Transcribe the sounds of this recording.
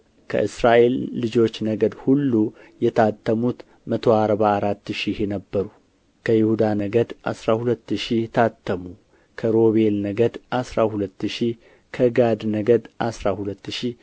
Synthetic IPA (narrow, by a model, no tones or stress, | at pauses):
kʰə̰ʔɨsɾaʔe̞lːɨd͡ʒo̞t͡ʃːnəɡəd̪hulːu | jɛt̪ʰat̪ːəmut̪ | mət̪ʰo̞aɾbaːɾat̪ːʃihenəbːəɾu | kʰəjɪhud̪anəɡəd̪ʔa̰sɾahulət̪ːɨʃijɛt̪ʰat̪ʰːəmu | kʰəɾo̞βe̞lnəɡəd̪ʔasɾahulət̪ːɨʃi | kʰəɡad̪nəɡəd̪ʔasɾahulət̪ːɨʃi